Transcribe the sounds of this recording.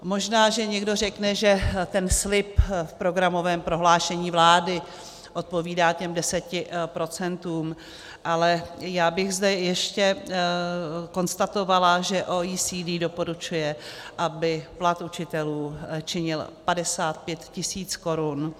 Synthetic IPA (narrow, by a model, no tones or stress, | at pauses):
mo̞ʒnaːʒɛɲɛɡdo̞rɛknɛʒɛt̪ɛnslɪpfpɾo̞ɡɾamo̞vɛːmpɾo̞ɦlaːʃɛɲiːvlaːdɪ | ʔo̞t̪̚po̞viːdaːcɛmdɛsɛcɪpɾo̞t͡sɛnt̪uːm | ʔalɛjaːbɪɣzdɛjɛʃcɛ | ko̞nst̪at̪o̞valaʒɛʔoːiːsiːdiːdo̞po̞ɾut͡ʃujɛʔabɪplat̪ut͡ʃɪt̪ɛluːt͡ʃɪɲɪlpadɛsaːt̪̚pjɛt̪cɪsiːt͡sko̞ɾun